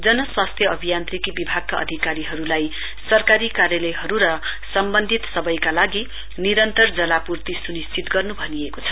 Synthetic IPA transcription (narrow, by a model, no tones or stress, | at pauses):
d͡zʌnʌswast̪ʰjʌʌbʱijant̪rikibibʱaɡ̚kaʌ̰d̪ʱikaɾiɦʌɾulaj | sʌrkaɾikarjʌlʌjɦʌɾuɾʌ | sʌmbʌnd̪ʱit̪sʌbʌjkalaɡi | niɾʌnt̪ʌrd͡zʌlapurt̪isunist͡sit̪ɡʌrnubʱʌniekot͡sʰʌ̥